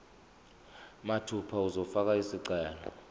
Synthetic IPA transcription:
matʰupʰauzɔfak̬aisiǀɛːlɔ

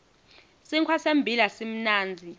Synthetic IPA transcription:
siŋkʰwasembʱilasim̩naːnd͡zʱi

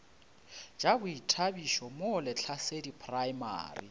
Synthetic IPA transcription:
d͡ʒabʊitʰabiʃɔmolɪt͡ɬʰasedipʰʼraima̰ːrḭ

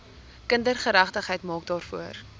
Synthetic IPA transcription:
kəndərχəɾæχtəχɦəjtmɑːk̚dɑːrfuər

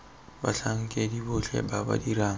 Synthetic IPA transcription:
ba̰ɬaŋ̩kʼedibʊɬɛ̰baba̰diɾaːŋ̩

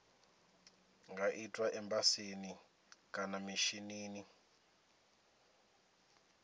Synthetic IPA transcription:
ŋɡʱaʔitʼwaʔɛmbʼaseni | kʼanamiʃiniːni

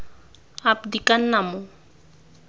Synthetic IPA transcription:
apd̪ikanːamu

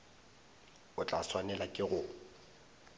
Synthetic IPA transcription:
ʊt͡ɬʼaswanɛlakʼɪɣʊ

